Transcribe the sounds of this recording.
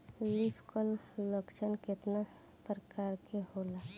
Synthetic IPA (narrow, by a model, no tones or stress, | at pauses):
lipʰkəlː | əkt͡ʃənkɪt̪na | pɾəkaːɾkehola